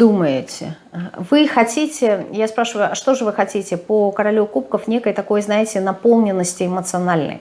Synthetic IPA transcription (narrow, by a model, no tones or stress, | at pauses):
d̪uməjɪtʲɪ̰ | vɨxɐtʲitʲɪjaspɾaʂɨvʊjʊɐʂt̪o̞ʐɨvɨxɐtʲitʲɪpəkəɾɐlʲukupkəfnʲe̞kəjt̪ɐko̞jznajɪtʲɪnɐpolˠnʲɪnːəsʲtʲɪɪmət̪sɨɐnalʲnə̰j